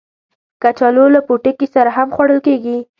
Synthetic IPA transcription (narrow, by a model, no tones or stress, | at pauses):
kat͡ʃɑlolapoʈɪkisaɾaɦamxwaɽəlkeɡi